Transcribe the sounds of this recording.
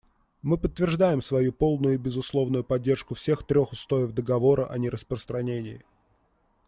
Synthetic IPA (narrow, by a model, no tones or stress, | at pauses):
mɨpət̪ːvʲɪrʐd̪ajɪmsvɐjupo̞lˠnʊjʊbʲɪzʊslˠo̞vnʊjʊpɐdʲːe̞rʂkʊfsʲe̞xt̪ɾʲo̞xʊst̪o̞ɪvd̪əɡɐvo̞ɾəʔɐnʲɪɾʔəspɾəst̪ɾɐnʲenʲɪjɪ